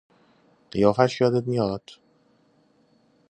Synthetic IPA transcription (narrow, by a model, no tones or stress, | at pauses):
ɢ̥ijɒːfæʃjɒːd̪et̪̚mijɒːd̪̥